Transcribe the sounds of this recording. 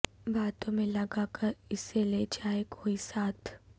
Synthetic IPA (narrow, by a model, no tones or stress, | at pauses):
baːt̪õmẽlɐɡakəɾɪseled͡ʒaːekʰoːisaːt̪ʰ